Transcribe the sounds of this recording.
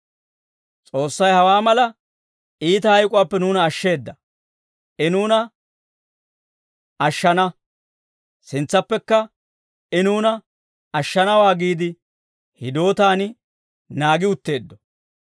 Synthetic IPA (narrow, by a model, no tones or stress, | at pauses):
t͡sʼo̞ːsːɐjhɐwaːmɐlɐ | iːt̪ɐhɐjkʼʊwaːpːɛnuːnɐːʃːe̞ːd̪ːɐ | ɛnuːnɐ | ɐʃːɐnɐ | sɪnt͡sːɐpːɛkːɐ | ɛnuːnɐ | ɐʃːɐnɐwaːɡiːd̪ɪ | hɪd̪o̞ːt̪aːn | naːɡɪʊt̪ːe̞ːd̪ːɔ̥